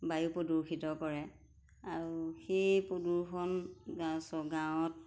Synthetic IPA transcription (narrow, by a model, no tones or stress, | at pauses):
bajupoduɹkʰitɔkɔɹɛ | aɹuxejpoduɹxʰɔnɡasɔɡawɔt̚